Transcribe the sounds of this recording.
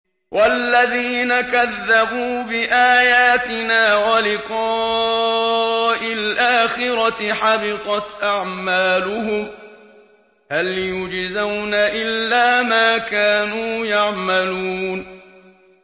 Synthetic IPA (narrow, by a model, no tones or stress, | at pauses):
wʔalːaðiːnakaðːabuːbɪʔaːjaːt̪ɪnaːwalɪqɑː | ʔɪlʔaːxɪɾɑɪħabɪq̪ɑt̪ʔaʕmaːlʊhʊm | haljʊd͡ʒzawnaʔɪlːaːmaːkaːnuːjaʕmaluːn